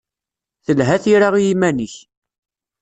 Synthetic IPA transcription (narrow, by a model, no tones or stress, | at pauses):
θəlɦæθiɾaʁjimæniç